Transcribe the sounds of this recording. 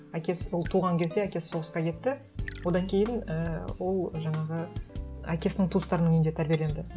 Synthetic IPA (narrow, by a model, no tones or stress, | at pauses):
ækʲe̞swolˠt̪ʰuʁɑŋkʲʰe̞zd̪e̞ækʲe̞sːo̞ʁəsqɑkʲe̞t̪ːɪ | wo̞d̪ɑŋkʲʰe̞jɪnəwo̞lˠʒɑɴɑʁəækʲe̞sɪnɪŋt̪ʰust̪ɑɾənəɴʏnd̪et̪ʰæɾbʲijelʲe̞nd̪ɪ